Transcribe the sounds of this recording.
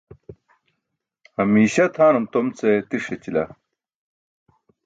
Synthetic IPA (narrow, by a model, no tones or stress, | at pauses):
hɐmiːɕɐt̪ʰaːnumt̪omt͡set̪iʂet͡ɕilɐ